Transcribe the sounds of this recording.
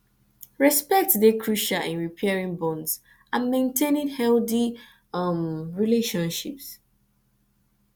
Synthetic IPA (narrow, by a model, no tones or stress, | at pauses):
ɹɛspɛk̚tdekʰɹuʃaʔĩnɹipʰɛɹĩŋbɔ̃ndz | ʔãnmẽntʰẽnɪ̃nhɛldi | mɹileʃɔ̃nʃips